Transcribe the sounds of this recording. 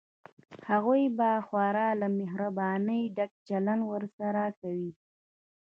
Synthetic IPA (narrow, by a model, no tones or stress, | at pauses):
haɣujbaxwɑɾɑlamɪɦɾabɑnəjɖak̚t͡ʃalanwəɾsaɾakawi